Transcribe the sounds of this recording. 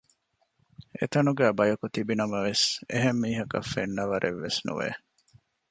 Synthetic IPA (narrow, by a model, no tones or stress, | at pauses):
ḛt̪ɐnuɡæːbɐjɐkut̪ibinɐmɐʋeseɦemːiːɦɐkɐ̰fːenːɐʋɐɾʔeʋːesnṵʋḛ